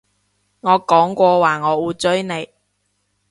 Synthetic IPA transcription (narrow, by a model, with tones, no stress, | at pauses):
ŋɔː˨˧kɔː˨˥ŋkʷɔː˧waː˨˩ŋɔː˨˧wuː˨˧t͡sɵ˥ɥne˨˧j